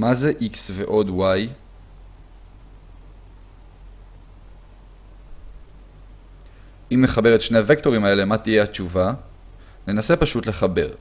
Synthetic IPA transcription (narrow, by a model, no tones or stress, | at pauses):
mazeʔiksve̞ʔo̞dwaj | imle̞χabe̞ʁetʃne̞ave̞kto̞ʁimae̞le̞mat̪ije̞hat͡ʃuva | ne̞nase̞paʃutle̞χabe̞ʁ